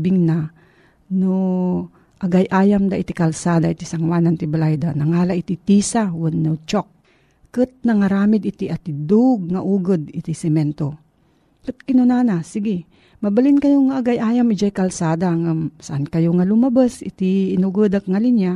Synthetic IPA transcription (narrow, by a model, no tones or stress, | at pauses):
bɪŋna | no | ʔaɡajʔaːjamd̪aʔit̪ikɐlsaːd̪ait̪isɐŋwanant̪ɪbalajd̪anɐŋaːlaʔit̪it̪isawʊnːot͡ʃok̚ː | ɨt̪̚nɐŋɐɾaːmɪd̪ɪt̪iʔɐt̪ɪd̪uɡ̚ŋaʔuːɡɨd̪ɪt̪isɛmɛnt̪o | kɨt̪ɪnʊnanasɪɡɪ | mɐbalɪnkɐjoŋaʔːɡajʔaːjamɪd͡ʒajkɐlsaːd̪aŋasaʔankɐjoŋalʊmɐbasɪ̰t̪iːnuɡɨd̪ak̚ŋalɪnja